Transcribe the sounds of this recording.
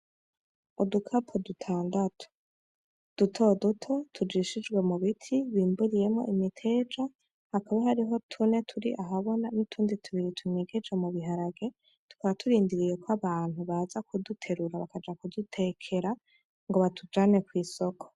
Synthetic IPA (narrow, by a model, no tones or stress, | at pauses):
udukʰapʰodutʰaːndatʰo̥ | d̥utʰo̞dutʰo̞tʰud͡ʒiʃid͡ʒɡwe̞muβitʰiβiːmbuɾije̞mŋo̞̰ʔimitʰe̞d͡ʒa | hakaβaɦaɾiɦo̞tʰune̞tʰuɾiʔaɦaβo̞nanitʰuːnditʰuβiɾitʰuŋeɡe̞d͡ʒemuβiɦaɾaɡe̞ | tu̥kaβatʰuɾiːndiɾijekwaβaːn̥huβazakʰudutʰe̞ɾuɾaβakad͡ʒakudutʰe̞kʰe̞ɾa | ŋɡo̞βatʰud͡ʒaːne̞kwiːso̞kʰo̥